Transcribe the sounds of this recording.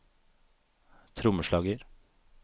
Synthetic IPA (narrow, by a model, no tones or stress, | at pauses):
t̪ʰɾʊməʃlɑːɡəɾ